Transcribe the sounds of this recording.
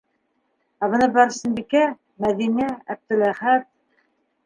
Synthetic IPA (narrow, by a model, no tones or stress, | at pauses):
æβɤ̆nɤbæɾsɘ̆nbikæ | mæðinææb̚t̪ɘ̆læχæt̪̚